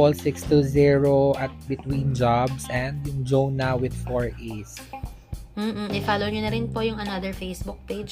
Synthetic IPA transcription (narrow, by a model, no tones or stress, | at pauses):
ɔlsɪkst̪uziɹoʔɐt̪̚bɪt̪wĩnd͡ʒabsɛ̃nd̪jʊŋd͡ʒownawɪd̪foɹʔes | mm̩ʔ̩ɪfalowɲʊnɐɾɪnpojʊŋɐnɐd̪ɛɹfejsbʊk̚pejd͡ʒ